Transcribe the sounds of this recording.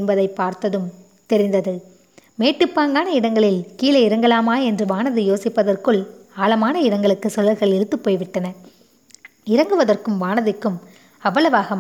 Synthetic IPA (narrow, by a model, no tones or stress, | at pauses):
nbɐðɐɪpːaːɾt̪ɐðɯm | t̪ɛɾɪnd̪ɐðɯ | meːʈːɯpːaːŋɡaːnɐɪɽɐŋɡɐɭɪlkiːlɐɪɾɐŋɡɐɭaːmaːɛndrɯʋaːnɐðɯjoːsɪpːɐðɐrkɯɭaːlɐmaːnɐɪɽɐŋɡɐɭɯkːɯsɔlːɐɾɣɐɭɛɾɯt̪ːɯpːoːjʋɪʈːɐnɐ | ɪɾɐŋɡɯʋɐðɐrkɯmʋaːnɐðɪkːɯm | ɐʋɐlɐʋaːɣɐm